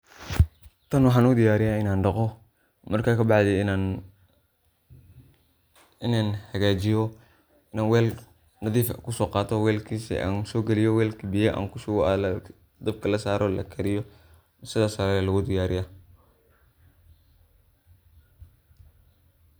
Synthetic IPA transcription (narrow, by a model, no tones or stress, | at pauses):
t̪ʰɐnwʊħaːnʊd̪ɪjaːɾɪjaɪnaːnɖɐqɔ | mɐrkaːkɐbɑʕd̪ɛnan | ɪnaːnħɐɣaːd͡ʒɪjɔ | ɪnaːnwɛːl | nɐðiːfkʊsɔːqɑːt̪ʰɔwɛːlkʰiːsḭʔa̰ːnsɔːɡɛlɪjɔwɛːlkʰɐbɪjɛʔa̰ːnkʊsʊɣɔaːl | d̪ɐb̚kʰɐlɐsaːɾʔɔlɐ̰kʰɐɾɪjɔ | sɪðaːsɐɾajɛlɐɣʊd̪ɪjaːɾɪja